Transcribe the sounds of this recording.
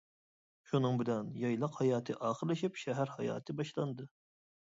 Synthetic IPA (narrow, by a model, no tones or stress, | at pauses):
ʃunɨŋbɪlɛnjɑjlˠɑqhɑjɑːt̪ʰɨʔɑːχəɾlˠɪʃipʃɛɦæɾhɑjɑ̰ːt̪ʰɨbɑʃlˠɑnd̪ɨ